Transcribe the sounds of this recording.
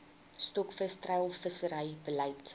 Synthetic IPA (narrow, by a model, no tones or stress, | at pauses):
stɔkfəstrɐjlˠfəsəɾəjbəlɐjt